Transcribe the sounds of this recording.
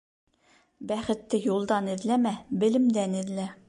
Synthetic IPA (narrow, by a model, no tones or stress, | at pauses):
bæχɘ̆t̪ːɘjulˠd̪ɑnɘ̆ðlæmæbɘ̆lɘ̆md̪ænɘ̆ðlæ